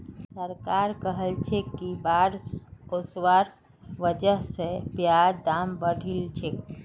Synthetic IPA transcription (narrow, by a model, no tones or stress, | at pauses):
səɾkaɾkəɦəlt͡ʃʰekːibaɾoswaɾ | ʋəd͡ʒəɦsepjad̪ambəɽ̤ʱilt͡ʃʰek